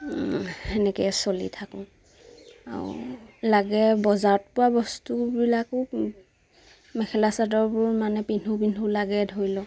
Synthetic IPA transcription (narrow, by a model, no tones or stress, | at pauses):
ɛnɛkɛsolḭtʰakɔ̃ | a̰ɹʊ̰laɡɛbɔzaɹɔt̚pʊwabɔstubilakʊ | mɛkʰɛlasadɔɹbʊɹmanɛpinupinulaɡɛdʱoɹjlɔ